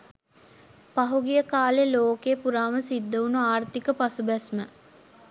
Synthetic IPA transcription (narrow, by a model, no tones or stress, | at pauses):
paɦuɡijəkaːleloːkeːpuɾaːʋəsid̪ːəunuaːrt̪ikəpasubɛsmə